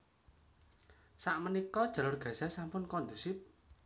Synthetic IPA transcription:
saʔmənikɔd̥ʒ̥a̤lʊrɡ̥a̤sasampʊnkɔnd̪usɪp̚

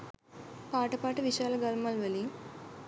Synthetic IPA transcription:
paːʈːɐpːaːʈːɨʋiʃaːlɐɡalmaːlʋɐli

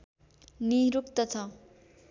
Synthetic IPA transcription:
niɾuk̚t̪ʌt͡sʰʌ

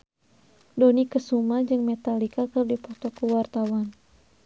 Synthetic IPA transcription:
dɔnikəsumad͡ʒɨŋmɛt̪alikakɨrdipɔt̪ɔkəwart̪awan

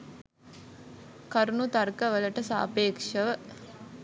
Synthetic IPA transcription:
kɐɾunut̪ɐɾkɐʋəlɐʈɐsa̰ːpeːkʂɐʋə

